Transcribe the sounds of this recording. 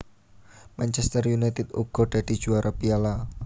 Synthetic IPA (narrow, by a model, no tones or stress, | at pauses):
mant͡ʃɛst̪ərjunajt̪ɪt̪̚ṵɡ̥ɔ̤ɖ̪̥a̤d̪̥i̤̥ʒ̥uaɾʔabiala